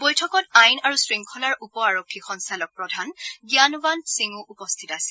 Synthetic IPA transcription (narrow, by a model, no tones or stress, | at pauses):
bojtʰɔkɔtajnaɹusɹiŋkʰɔlaɹupɔaɹokʰːixɔnsalɔk̚pɹɔdʱanɡjanbansiŋuʔupɔst̪ʰitasi̥